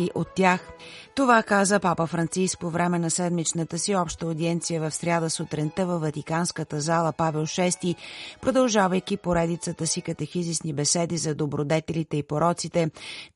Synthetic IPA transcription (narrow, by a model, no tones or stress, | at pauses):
iʔot̪ːjax | t̪ovakazəpapəfɾɐnt̪sisk̚povɾɛmɛnɐsɛd̪mit͡ʃnət̪əsiɔpʃt̪əod̪iɛnt̪sijəvɐfsɾʲjad̪əsot̪ɾɛnt̪əvəfvɐt̪ikanskət̪əzalˠəpavɛlˠʃɛst̪ipɾod̪ɐlˠʒavəjkʲipoɾɛd̪it̪sət̪əsikət̪ɐxizisnibɛsɛd̪izɐd̪obɾod̪ɛt̪ɛlit̪ɛipoɾɔt̪sit̪ɛ